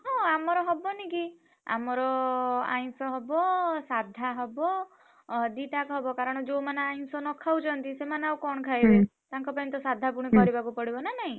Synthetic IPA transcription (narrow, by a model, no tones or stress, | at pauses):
ɦɔ̃amɔɾɔɦɔbɔnĩki | a̰mɔɾɔa̰j̃sɔɦɔbɔsad̪ʱaɦɔbɔ | d̪iʈakɦɔbɔkaɾɔɽ̃ɔd͡ʒowmanaajnsɔnɔkʰawd͡ʒt͡ʃʰɔnt̪isemanawkɔɳ̃ɔkʰajbet̪aŋkɔpajnt̪ɔsad̪ʱapuɽ̃ikɔɾibakupɔɽibɔnanaɦĩ